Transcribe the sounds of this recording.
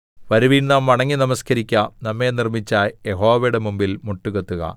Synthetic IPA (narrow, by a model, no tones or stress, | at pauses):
pɐɾuʋiːnnaːmʋɐɳɐŋːinɐmɐskɐɾikʲːɐnɐmːe̞ːnirmit͡ɕːaːjeɦo̞ːʋɐjɽemumbilmuʈːuɣet̪ːuɣɐ̰